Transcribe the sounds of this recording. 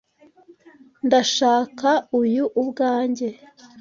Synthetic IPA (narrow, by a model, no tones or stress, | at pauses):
ndaʃaːkaujuʔːbɡaːɲɟe